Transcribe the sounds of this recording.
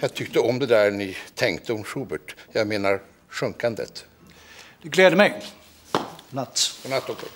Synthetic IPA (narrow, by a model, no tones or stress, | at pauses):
jɑːɡ̚t̪ʰʏkt̪əɔmd̪ɛd̪æɾnɪt̪ʰɛŋkt̪əɔmʂuːbəʈjɑːɡmeːnaɾ | ɧɵŋkand̪ə̰t̪ | d̪̥ɛɡlɛːd̪əmɛj | nat̪ːʰɔnat̪ːɔksɔ